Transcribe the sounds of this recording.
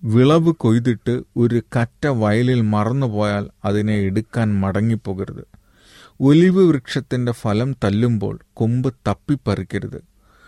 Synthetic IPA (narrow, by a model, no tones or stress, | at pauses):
ʋiɭɐʋɨko̞jt̪̬iʈːɨo̞ɾukɐtːɐʋɐjɐlilmɐrɐnːupo̞ːjaːlɐðineeɽukːaːnmɐɽɐŋːipːo̞ːɣiɾɐ̰ðɨ | o̞liʋɐʋrɨkʂɐt̪ːinde̞fɐlɐmt̪ɐlːumbo̞̰ːɭkombɨt̪ɐpːipːɐrikʲːɐɾɐðɨ̰